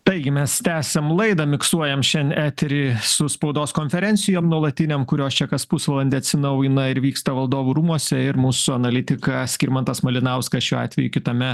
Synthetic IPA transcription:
t̪ɐɪɡʲɪmʲɛst̪ʲæːsʲɛmlˠɐɪd̪ɐmʲɪksuɔjɛmʃʲɛnæːt̪ʲɾʲisʊspɐʊd̪oːskoːnʲfʲɛɾʲɛnʲsʲɪjoːmnuɔlˠɐt̪ʲɪnʲemkʊɾʲoːst͡ʃʲɛkɐspʊsʋɐlˠɐnʲd̪ʲɛɐt̪ʲsʲɪnɐʊjɪnɐɪɾʋʲiːkst̪ɐʋɐlˠd̪oːʋuːɾuːmuɔsʲɛɪɾmuːsʊɐnɐlʲɪt̪ʲɪkɐsʲkʲiːɾʲmɐnt̪ɐsmɐlʲɪnɐʊskɐsʃʲuːɑ̰ːt̪ʲʋʲɛjukʲɪt̪ɐmʲɛ

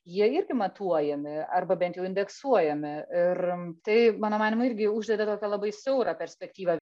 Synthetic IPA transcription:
jiɛɪɾʲɡʲɪmɐt̪uɔjɛmʲɪɐrbɐbʲɛnt̪jɛʊɪnʲd̪ʲɛksuɔjɛmʲɪɪrt̪ɐɪmɑːnoːmɑːnʲɪmʊɪɾʲɡʲɪʊʒʲd̪ʲɛd̪ʲɐt̪oːkʲɛlˠɐbɐɪsʲɛʊɾɑpʲɛɾʲsʲpʲɛkt̪ʲiːʋɐ

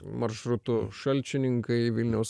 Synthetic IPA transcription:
mɐɾʃɾʊt̪ʊʃɐlʲt͡ʃʲɪnʲɪŋkɐɪʋʲɪlʲnʲɛʊs

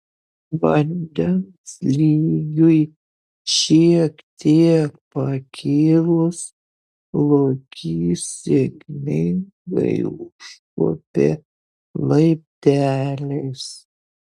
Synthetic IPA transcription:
ʋɐnʲd̪ʲɛnslʲiːɡʲʊj | ʃʲikt̪ʲʰeːpɐkʲʰiːlˠʊs | lˠokʲʰiːsʲeɡnʲɪɪŋ | ɡɐ̰ɪʊʃkoːpʲeː | lˠɐɪp̚ʲt̪ʲæːlʲɛɪs

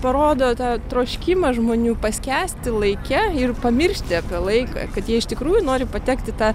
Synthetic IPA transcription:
pɐɾoːd̪oːt̪ɑːt̪ɾoːʃʲkʲimɐʒmoːnʲuːpɐsʲkʲæːsʲt̪ʲɪlˠɐɪkʲɛɪrpɐmʲɪrʲʃʲt̪ʲɪɐpʲiɛlˠɐɪkɑ̰ːkɐt̪jiɛɪʃt̪ʲɪkɾuːjunoːɾʲɪpɐt̪ʲɛːkt̪ʲɪt̪ɑː

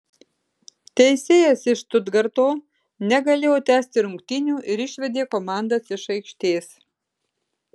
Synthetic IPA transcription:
t̪ʲɛɪsʲeːjɛsɪʃt̪ʊd̪ɡɐɾt̪oː | nʲɛɡɐlʲeːjoːt̪ʲæːsʲt̪ʲɪɾʊŋkt̪ʲɪnʲuːʔɪɾɪʃʲʋʲɛd̪ʲeːkomɑˑnd̪ɐsɪʃɐɪkʃʲt̪ʲeːs

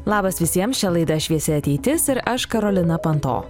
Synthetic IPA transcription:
lˠɑːbɐsʋʲɪsʲiɛmst͡ʃʲɛlˠɐɪd̪ɐʃʲʋʲiɛsʲɪɐt̪ʲɛɪt̪ʲɪsɪɾɐʃkɐɾɔlʲɪnɐpɐnt̪o̰ː

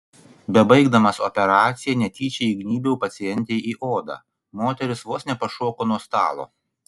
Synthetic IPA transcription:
bʲɛbɐɪɡd̪ɐmɐsɔpʲɛɾɑːt̪sʲɪjɛnʲɛt̪ʲiːt͡ʃʲɛiɡnʲiːbʲɛʊpɐt̪sʲɪjɛnʲt̪ʲɛɪʔiːʔoːd̪ɑ̰ː | moːt̪ʲɛɾʲɪsʋoːsnʲɛpɐʃuɔkoːnuɔst̪ɑ̰ːlˠo̰ː

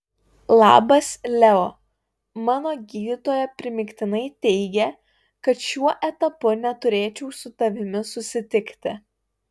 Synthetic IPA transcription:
lˠɑ̰ːbɐslʲɛo | mɑːnoːɡʲiːd̪ʲɪt̪oːjɛpʲɾʲɪmʲɪkʲt̪ʲɪnɐɪt̪ʲɛɪɡʲɛ | kɐt̪ʃʲuɔʔɛt̪ɐpʊnʲɛt̪ʊɾʲeːt͡ʃʲɛʊsʊt̪ɐʋʲɪmʲɪsʊsʲɪt̪ʲɪkʲt̪ʲɪ

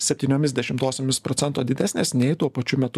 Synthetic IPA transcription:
sʲɛpʲt̪ʲiːnʲoːmʲɪsd̪ʲɛʃʲɪmt̪oːsʲoːmʲɪspɾɔtsʲɛnt̪oːd̪ʲɪd̪ʲæsnʲeːsnʲɛɪt̪uɔpɐt͡ʃʲʊmʲɛt̪ʊ

